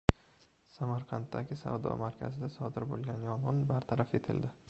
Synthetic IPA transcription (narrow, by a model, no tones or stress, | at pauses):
samaɾqʰɑnt̪ːaɡʲɪsa̰vd̪ɒ̰maɾkʲʰa̰zɪd̪asɒd̪ɪɾbo̰lˠɡʲanjɒnʁɨnbaɾt̪ʰaɾafe̞t̪ʰɪ̰ld̪ɪ